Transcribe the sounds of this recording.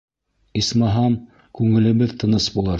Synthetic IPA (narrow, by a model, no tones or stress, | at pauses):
ismɑɦɑm | kʉŋɘ̆lɘ̆βɘðt̪ɤ̆nɤsbulˠɤɾ